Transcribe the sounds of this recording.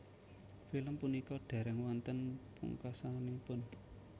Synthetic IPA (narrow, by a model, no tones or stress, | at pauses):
filəmpunikɔɖ̥ä̤ɾɛŋwant̪ənpṵŋkasanipʊn